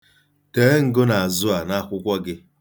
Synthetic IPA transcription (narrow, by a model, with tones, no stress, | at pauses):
teː˨˦ŋ̩˨ɡo˦na˨a˨zʊ˦a˨na˦˨kʷʊ˦kʷa˦ɡɪ˦